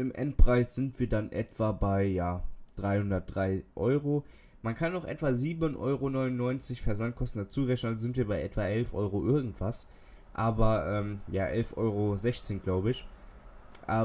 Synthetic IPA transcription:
ɪmʔɛ̰nt̚pʁ̥aɪsz̥ɪntv̥iːɐdanʔɛtv̥abaɪjaːd̥ʁaɪhʊndɐt̚d̥ʁaɪʔɔ̰ʏʁo | mankʰanːɔχʔɛ̰tv̥aziːbənʔɔ̰ʏʁonɔʏnʊnːɔʏnt͡sɪçfɛɐzant̚kʰɔstn̩dat͡suːʁɛçnənalzozɪntv̥iːɐbaɪʔɛtv̥aʔɛlfʔɔ̰ʏʁoʔɪɐɡŋ̩tv̥as | ʔaːbɐʔɛːmjaːʔɛlfʔɔʏʁ̞ozɛçt͡seːnɡlaʊbəɪç | ʔaː

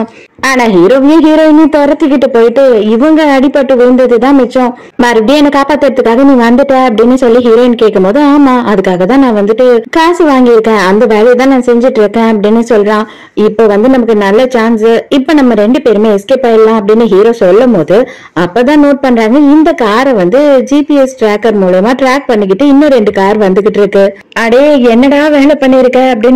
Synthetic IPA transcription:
aːnãːɦiːɾoːʋɪjʊ̃ɦiːɾoːɪnːɯ̃t̪ɔɾɐt̪ːɯk̬ːɪʈːɯpoːjɪʈːɯɪʋɐŋɡɐɐɽɪpːɐʈːɯʋʊɾnd̪ɐðɯt̪ãːʋɛt͡ʃːõ | maːɾɪpːɐɽɪɛnːɐkaːpaːt̪ːɐɾɐt̪ːɯkːaːɣɐnĩːʋɐnd̪ɯʈːẽɐp̬ːɐɽɪnːɯsɔlːiɦiːɾoːɪnkeːʈkːɐmpoːðɯaːmaːʔɐðɯkːaːɣɐt̪ãːnãːʋɐnd̪ɯʈːɯkaːsɯʋaːŋɡɪɪɾɯkːẽːɐnd̪ɐʋeːɭɐjt̪ãːnãːsɛɲd͡ʒɪʈːɪɾɯkːɛ̃ɐp̬ːɐɽɪnːɯsɔlɾãː | ɪpːoːʋɐnd̪ɯnɐmɐkːɯnɐlːɐt͡ʃaːnsɯɪpːoːnɐmːɐɾɛɳɖɯpeːɾmeːɛskeːpɐjlɐlãːɐpːɐɽɪnːɯɦiːɾoːsɔlːɐmpoːðɯ | ɐpːoːt̪̬ãːnoːʈ̚pɐɳːɾaːŋɡɐɪnd̪ɐkaːɾɛʋɐnd̪ɯd͡ʒipiɛsʈɾaːkːɐɾmuːɭɐjɐmaːʈɾaːk̚pɐɳːɪk̬ːɪʈːɯɪnːoːɾɾɛɳɖɯkaːɾʋɐnd̪ɯkːɪʈːɪɾɯkːɯ | ɐɽeːɛnːɐɽaːʋeːɭɐpːɐɳːɪɪɾɯkːẽːɐpːɐɽɪn

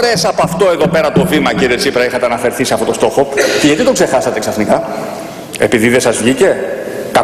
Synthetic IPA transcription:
ɾesɐpoɐft̪o̞e̞ðo̞pe̞ɾɐt̪o̞vimɐciɾesipɾɐixɐt̪eɐnɐfe̞ɾθisiɐft̪o̞t̪o̞st̪o̞xo̞ʝɐt̪it̪o̞kse̞xɐsɐt̪eksɐθnikɐ | e̞piðiðesɐzvʝice̞ | kɐ

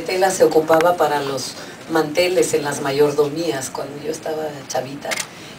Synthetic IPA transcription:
t̪elase̞okupaβapaɾalo̞z | mãnt̪e̞le̞se̞nlazmaʝo̞ɾðo̞miaskwand̪o̞ʝo̞est̪aβat͡ʃaβit̪a

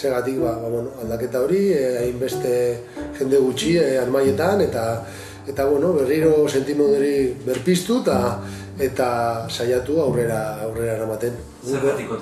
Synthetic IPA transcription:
se̞ɣat̪ikβaβaβwono̞ald̪ake̞t̪ao̞ɾiajmbe̞st̪e̞ | ʝe̞nd̪e̞ɣ̞ut͡ʃiaɾmaje̞t̪ane̞t̪a | et̪aβwe̞no̞βe̞riɾo̞sent̪ime̞nd̪uoɾiβe̞ɾpist̪ut̪a | e̞t̪asajat̪uawre̞ɾaːwre̞ɾaeɾamat̪e̞n | u

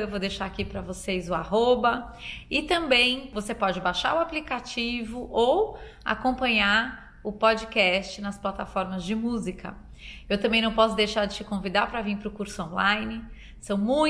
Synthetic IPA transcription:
ewvowd̪ejʃaɾakipɾɐvosejzʊaɦobɐ | ɪt̪ɐ̃mbẽj̃vosepɔd͡ʒɪbaʃa̰ɾʊaplikat͡ʃivʊʔow | a̰kõpɐ̃ɲaɾ | ʊpɔd͡ʒɪkɛst͡ʃɪnɐsplat̪afɔɾmɐzd͡ʒɪmuzikɐ̰ | ewt̪ɐ̃mbẽj̃nɐ̃w̃pɔsʊd̪ejʃaɾd͡ʒɪt͡ʃɪkõvid̪aɾpɾɐvĩpɾʊkuɾsʊõla̰jnɪ | sɐ̃w̃mũ

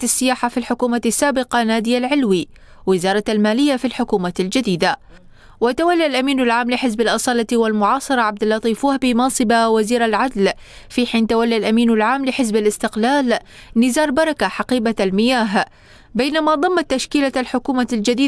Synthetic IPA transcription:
asːɪjaːħafilħʊkuːmasːaːbɪqɑnaːd̪ɪjalʕɪlwi | wɪzɑːɾˤɑt̪almaːlɪjːafilħʊkuːmald͡ʒad̪iːd̪a | wɪt̪awalːalʔamiːnalʕaːmlɪħɪzbalʔɑsˤɑlɑwɪlmʊʕɑːsˤɨɾˤɑʕab̚d̪ɪlːɑt̪ˤiːfwahbimɑnsˤɨbawaziːɾalʕad̪l | fiħiːnt̪awalːalʔamiːnalʕaːmlɪħɪzbalɪst̪ɪqlaːlnɪzɑːɾˤbɑɾˤɑkaħaqiːbalmɪjaːɦ | bejnamad̪ˤɨmːat̪ːaʃkiːlalħʊkuːmald͡ʒad̪iː

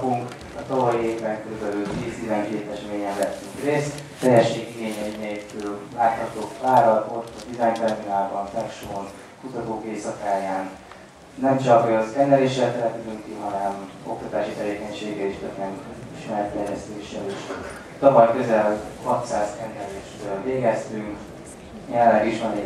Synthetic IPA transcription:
puŋk | ɒt̪ɒvɒjieːvbɛŋkøɾybɛløːt̪iːst̪izɛŋkeːt̪ɛʃmeːɲɛnvɛt̪ːyŋkreːst̪ | fɛjɛʃeːɡiɡeːɲɛimeit̪yllaːt̪hɒt̪oːklaːɾɒt̪o̞t̪ːɒd̪izaːɲbɛnd̪inaːlbɒnt̪ɛkʃooːn | kut̪ɒt̪oːkeːsɒkaːjaːnː | ɛmt͡ʃɒkøsɡɛnd̪ɛɾiʃɛlt̪ɛlɛpyd̪yŋkiɦɒnɛm | o̞̰k̚t̪ɒt̪aːʃit̪ɛveːkɛɲʃeːɡɛiʃt̪øk̪nɛmʃmɛɾt̪ːɛjɛ̰st̪eʃɛ̰liʃ | t̪ɒvɒjkø̞zɛlhɒt̪saːzɡɛnd̪ɛɾeːʃt̪ːveːɡɛst̪yŋk | jɛlɛlːɛɡiʃʋɒnɛ

